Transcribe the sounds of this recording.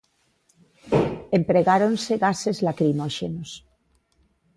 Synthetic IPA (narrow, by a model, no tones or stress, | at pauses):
empɾeɣaɾonseɣasezlakɾimoʃḛnos